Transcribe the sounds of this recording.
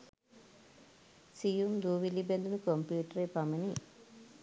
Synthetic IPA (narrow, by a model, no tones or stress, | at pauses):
sijumd̪uːʋilibend̪unukompjuːʈɐɾepamɐni